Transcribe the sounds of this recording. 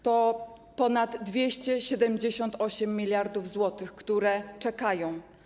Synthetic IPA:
t̪ɔ | pɔnad̪ːvʲjeɕt͡ɕɛɕɛd̪ɛmd͡ʑeɕɔnt̪ɔɕɛmːʲilʲjaɾd̪uvzwɔt̪ɘxkt̪uɾɛt͡ʂɛkajɔ̃w̃

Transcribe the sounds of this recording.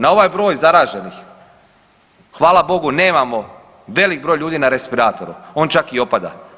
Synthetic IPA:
nao̞ʋajbɾo̞ːjzaɾaːʒe̞nix | xʋaːlabo̞ɡune̞ːmamo̞ | ʋe̞lik̚bɾojʎuːd̪inaɾe̞spiɾaːt̪oɾṵo̞ːnt͡ʃakio̞pad̪a̰

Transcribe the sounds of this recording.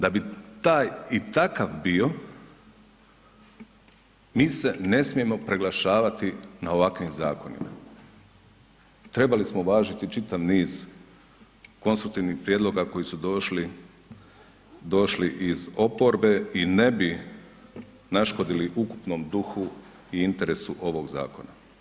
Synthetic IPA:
d̪abit̪aːjit̪akaʋbio̞ | miːse̞ne̞smie̞mo̞pɾeɡlˠaʃaːʋat̪inao̞ʋakʋimzaːko̞nḭma̰ | t̪ɾe̞balismoʋaːʒit̪it͡ʃit̪aʋniːz̥ | ko̞nst̪ɾuk̚t̪iʋnixpɾjed̪lˠo̞ɡako̞jisud̪oʃli | d̪o̞ʃliʔizo̞po̞ɾbe̞ine̞bi | naʃko̞d̪iliʔukupno̞ːmd̪uxu | iint̪e̞ɾe̞suʔo̞ʋo̞ɡza̰ːko̞na

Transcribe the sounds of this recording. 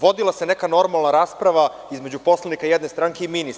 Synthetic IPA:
ʋo̞d̪ilˠase̞nekano̞ɾmalˠnaɾaːspɾaʋa | izme̞d͡ʑupo̞slˠanikajed̪ne̞st̪ɾaŋkeiminis

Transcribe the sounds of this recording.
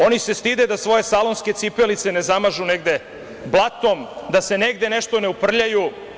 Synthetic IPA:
o̞nise̞st̪id̪e̞d̪asʋo̞je̞salo̞nske̞t̪ipelit̪se̞ne̞zamaʒune̞ɡd̪e̞ | blˠat̪o̞md̪ase̞ne̞ɡd̪e̞ne̞ʃt̪o̞neupr̩ʎaju

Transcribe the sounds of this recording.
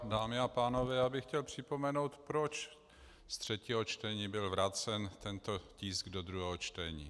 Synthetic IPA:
daːmɪapaːno̞vɛːjaːbɪxcɛlpr̝̥ɪpo̞mɛnowt̪pɾo̞t͡ʃ | st̪r̥ɛciːɦot͡ʃt̪ɛɲiːbɪlvɾat͡sɛnt̪ɛnt̪o̞ciːsɡdod̪ɾuɦɛːɦot͡ʃt̪ɛɲiː

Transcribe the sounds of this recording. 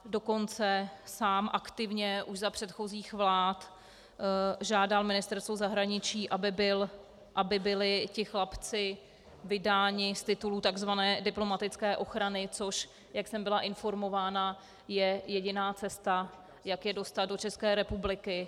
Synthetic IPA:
do̞ko̞nt͡sɛsaːmʔakt̪ɪvɲɛʔuʃzapr̥ɛt̪xo̞ziːxvlaːt̪ | ʒaːdalmɪnɪst̪ɛɾst̪vozaɦɾaɲɪt͡ʃiːʔabɪbɪl | ʔabɪbɪlɪcɪxlapt͡sɪ | vɪdaːɲɪst̪ɪt̪ulut̪aɡzvanɛːdɪplo̞mat̪ɪt͡skɛːʔo̞xɾanɪt͡so̞ʃ | jaksɛmbɪlaʔɪnfo̞ɾmo̞vaːna | jɛjɛɟɪnaːt͡sɛst̪a | jakjɛdo̞st̪at̪̚do̞t͡ʃɛskɛːɾɛpublɪkɪ

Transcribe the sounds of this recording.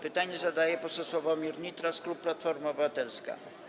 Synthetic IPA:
pɘt̪aɲɛzad̪ajɛpɔsɔswɔvɔmʲiɾɲit̪ɾasklupːlat̪fɔɾmaɔbɘvat̪ɛlska̰

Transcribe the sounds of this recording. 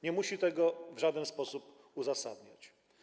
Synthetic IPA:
ɲɛmuɕit̪ɛɡɔvʐad̪ɛnspɔsup | uzasad̪ɲat͡ɕ

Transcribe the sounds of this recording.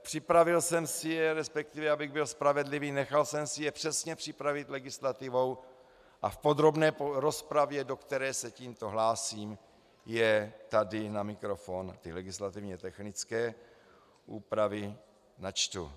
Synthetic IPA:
pr̥ɪpɾavɪlsɛmsɪjɛɾɛspɛk̚t̪ɪvɛabɪɣbɪlspɾavɛdliviːnɛxalsɛmsɪjɛpr̥ɛsɲɛpr̥ɪpɾavɪt̪lɛɡɪslat̪ɪvo̞w | ʔafpo̞d̪ɾo̞bnɛːpoɾo̞spɾavjɛdo̞kt̪ɛɾɛːsɛciːmt̪o̞ɦlaːsiːm | jɛt̪adɪnamɪkɾo̞font̪ɪlɛɡɪslat̪ɪvɲɛt̪ɛxnɪt͡skɛː | ʔuːpɾavɪ | nat͡ʃt̪ṵ

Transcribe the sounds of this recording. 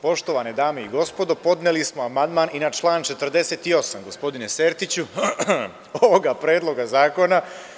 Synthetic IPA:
po̞ʃt̪o̞ʋaned̪aːmeiɡo̞spo̞d̪o̞po̞d̪nelismo̞amand̪maːninat͡ʃlˠaːnt͡ʃe̞t̪r̩d̪e̞set̪io̞samɡo̞spo̞d̪ine̞seːɾt̪it͡ɕu | oʋoɡapɾe̞ːd̪lˠo̞ɡazaːko̞na

